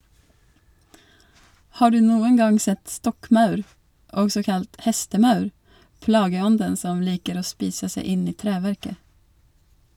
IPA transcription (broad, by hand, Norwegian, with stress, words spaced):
ˈhɑː ˈɖʉː ˈnuːəŋ ˈɡɑŋ ˈsɛt ˈstɔkˌmɑʉɾ ˈɔɡsɔ ˈkɑlt ˈhɛstəˌmɑʉɾ ˈplɑːɡəˌɔndən ˈsɔm ˈliːkəɾ ˈoː ˈspiːsə ˈseɪ ˈɪn ˈiː ˈtɾæːʋæɾkə